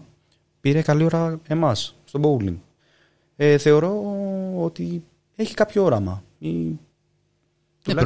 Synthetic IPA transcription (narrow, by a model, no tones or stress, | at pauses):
piɾe̞kɐlio̞ɾɐe̞mɐsst̪o̞bowlḭŋɡ | eθe̞o̞ɾo̞o̞t̪i | e̞çi̥kɐpçoo̞ɾɐmɐ | i | t̪uɐ